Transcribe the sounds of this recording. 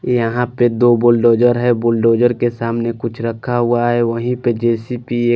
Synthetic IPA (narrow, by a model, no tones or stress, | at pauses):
jəɦãped̪oːboːlɖoːd͡ʒəɾɦɛboːlɖoːd͡ʒəɾkesaːmnekʊt͡ʃʰɾəkʰːaɦuaɦɛʋəɦĩped͡ʒɛːsipieː